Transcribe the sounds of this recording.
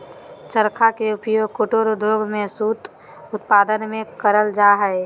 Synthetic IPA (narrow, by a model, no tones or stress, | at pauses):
t͡ʃəɾkʰakeʊpjoːɡkoʈoːɾod̪ʱjoːɡmẽsuːt̪ | ʊt̪̚paːd̪ənmẽkəɾəld͡ʒaːɦɛe